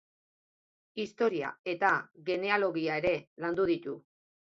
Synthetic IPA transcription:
ist̪o̞ɾia̰e̞t̪aɣe̞ne̞alo̞ɣiae̞ɾe̞land̪uð̞it̪u

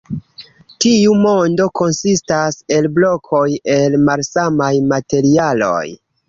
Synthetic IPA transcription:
tiumo̞ndo̞ko̞nsistase̞lblo̞kʰo̞je̞lmalsamajmate̞ɾialo̞̰j

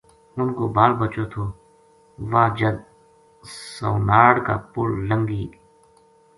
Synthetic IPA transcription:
ʊnkoːbaːlbət͡ʃoːt̪ʰoː | ʋaːd͡ʒəd̪̚ | səʊnaːɽka̰ːpʊɽləŋɡiː

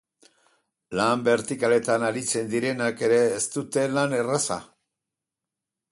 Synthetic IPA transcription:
lambe̞ɾt̪ikale̞t̪anaɾit͡se̞nd̪iɾe̞nake̞ɾe̞ːst̪ut̪e̞lane̞rasa̰

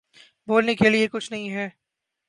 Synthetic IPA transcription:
boːlnekeliekʊt͡ʃʰnɐɦĩɦɛː

